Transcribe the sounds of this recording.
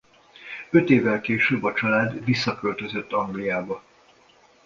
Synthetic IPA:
ø̞t̪eːvːɛlkeːʃøbːɒt͡ʃɒlaːd̪visːɒkølt̪ø̞zø̞t̪ːɒŋɡlijaːbɒ

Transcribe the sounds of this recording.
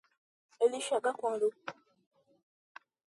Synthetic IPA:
eliʃaɡakwaːlo

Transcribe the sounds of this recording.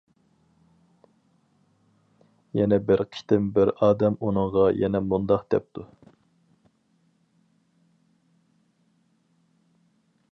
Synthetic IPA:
jɛnɛbɪɾqʰi̥t̪ɪmbɪɾɑːd̪ɛmunɨɴʁɑjɛnɛmund̪ɑqd̪̥ɛp̚t̪ʰu

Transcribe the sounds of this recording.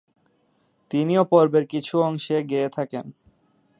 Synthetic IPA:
t̪iniopɔɾbeɾkit͡ɕʰuɔŋʃeɡeet̪ʰaken

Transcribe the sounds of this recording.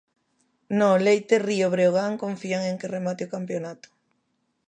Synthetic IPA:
nolejt̪erioβɾeoɣaŋkoɱfiaŋeŋkeremat̪eokampjonat̪ʊ̥

